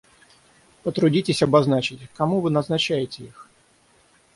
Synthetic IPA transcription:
pɔt̪ɾʊdʲitʲesʲɐbaznat͡ʃɪtʲkɐmuʋɨnɐznɐt͡ɕajetʲejix

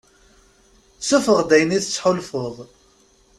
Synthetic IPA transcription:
sufəʁd̪æjniθət͡sːħʊlfoðˤ

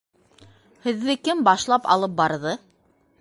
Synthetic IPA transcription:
hɘ̆ðːɘkɘmbɑʃlˠɑpɑ̰lˠɤp̚bɑɾðɤ

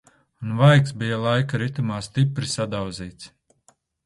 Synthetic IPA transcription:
unvajksbijalˠajkaɾit̪umaːst̪ipɾisad̪awziːt̪s

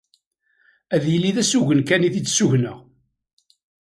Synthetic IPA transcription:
æðjəlːiðæsuʝənkæniθit͡sːsuʝnəʁ

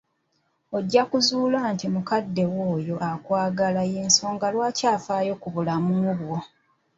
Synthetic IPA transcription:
oɟːakuzuːlaːntimukadːe̞wo̞ːjo̞ʔakwaːɡalaje̞ːnso̞ːŋɡalwaːcaːfaːjo̞kuβulamumuβwo̞

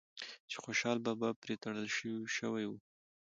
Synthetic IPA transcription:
t͡ʃe̥xoʃɑlbabapɾet̪aɽəlʃəwiʃəwajwu

